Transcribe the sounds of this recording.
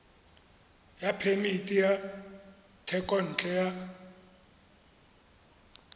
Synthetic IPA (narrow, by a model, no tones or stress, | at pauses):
japʰemitʼija | tʰɛkʼɔn̩ːt͡ɬʼɛja